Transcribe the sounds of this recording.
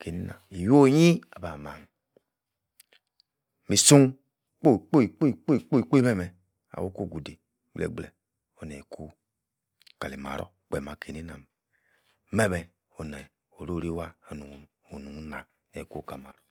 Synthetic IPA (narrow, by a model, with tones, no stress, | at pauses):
ke˨ni˦na̰˨i˨jo˦˨˦ji˦a˨ba˨ma˨ŋ | mi˨su˦ŋ | k͡po˦i˨k͡po˦i˨k͡po˦i˨k͡po˦i˨k͡po˦i˨k͡po˦i˦mɛ˦mɛ˨ | a̰˨wo˦ko˦˨ɡu˨de˨ | ɡ͡blɛ̰˨ɡ͡blɛ̰˨ | o˨nɛ˨kʰu˦ | ka̰˨le˨ma̰˨ɾo̰˦˨k͡pɛ˨ma˨ke˨ni˦na˨m | mɛ˦mɛ˨ | o˨nɛ˨ | o˨ɾo˦˨ɾi˦wa˦o˨nu˨ | o˨nu˨˦na˨ | e˨ku˦˨ka˨ma˨ɾo˦